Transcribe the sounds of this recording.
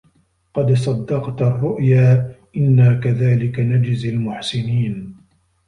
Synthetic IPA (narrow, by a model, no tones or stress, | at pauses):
qɑd̪sˤɑd̪ːɑqt̪ɑrˤːʊʔjaːʔɪnːaːkaðaːlɪkanad͡ʒɪzalmʊħsɪniːn